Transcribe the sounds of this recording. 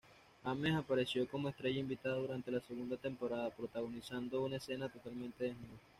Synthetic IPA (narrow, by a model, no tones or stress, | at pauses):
amesapaɾe̞sjo̞ko̞mo̞e̞st̪ɾe̞ʝaimbit̪aðaðuɾant̪e̞lase̞ɣund̪at̪e̞mpo̞ɾaðapɾot̪aɣo̞nisand̪o̞unae̞se̞nat̪o̞t̪almẽ̞nt̪e̞ðenuða